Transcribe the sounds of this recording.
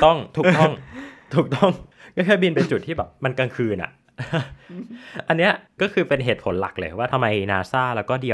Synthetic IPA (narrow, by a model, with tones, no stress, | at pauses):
t̪ɔ˥˩ŋt̪ʰuː˨˩k̚t̪ɔ˥˩˥ŋt̪ʰuː˨˩k̚t̪ɔ˥˩ŋkɔː˥˩kʰɛː˥˩bi˧npe˧nt͡ɕu˨˩t̪ʰːiː˥˩bɛː˨˩p̚ma˧nka˧ŋkʰɯː˧nʔa̰˨˩ʔ | ʔa˧nːi˦˥ɐkɔː˥˩kʰɯː˧pe˧nɦeː˨˩t̪̚pʰo˩˦nla̰˨˩k̚lɤː˧˩waː˥˩t̪ʰmːa˧jnaː˧saː˥˩lɛː˦˥wkɔː˥˩di˧w